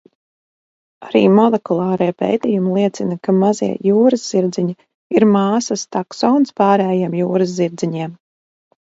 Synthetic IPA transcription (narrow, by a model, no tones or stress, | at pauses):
aɾḭːmɔlˠɛkulˠɑːɾiːpḛːt̪iːjumilˠiɛt̪sinakamazḭɛjuːɾɨzz̥iɾd̪ziɲi | iɾmaːsast̪aksɔwnspɑːɾɛːjemjuːɾɨzziɾd̪ziɲiɛm